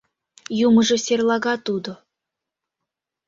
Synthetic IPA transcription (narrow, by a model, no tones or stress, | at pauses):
jumɤ̆ʐɤ̆sʲerlˠɑɡɑt̪ud̪ŏ